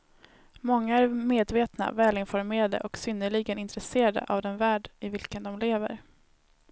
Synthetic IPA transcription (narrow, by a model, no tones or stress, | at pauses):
mɔŋːaæɾmeːd̪veːt̪na̰vɛːlɪnfɔɾmeːɾad̪ə̰ʔɔksʏnːəɭɪɡənɪnt̪ɾɛseːɾad̪ə̰ʔavd̪ɛnvæːɖɪvɪlkənd̪ɔmleːvə̰ɾ